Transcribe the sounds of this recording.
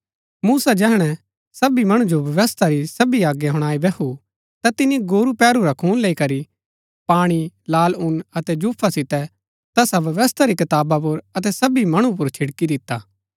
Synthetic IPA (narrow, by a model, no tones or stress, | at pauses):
muːsad͡ʒɛɦɽ̃ɛ | sɐbimɐɽ̃ũd͡ʒobɐʋəst̪ʰaɾisɐbiaːɡjaɦʊɽ̃aːibɛkʰu | t̪at̪ɪnːiɡoːɾupɛːɾuɾakʰuːnleːikɐɾi | paːɽ̃ilaːlʊnɐt̪ɛd͡ʒuːpʰːasɪt̪ɛ | t̪ɐsaʋɐʋəst̪ʰaɾikɐt̪aːbap̬ʊɾɐt̪̬ɛsɐbimɐɽ̃ũp̬ʊɾt͡ʃʰɪɽkid̪ɪt̪ːaː